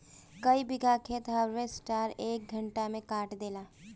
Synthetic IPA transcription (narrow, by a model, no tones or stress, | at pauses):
kəibɪɡakʰeːt̪ɦaɾʋesʈaːɾeːk̚ɡʱəɳʈamẽkaːʈd̪eːlaː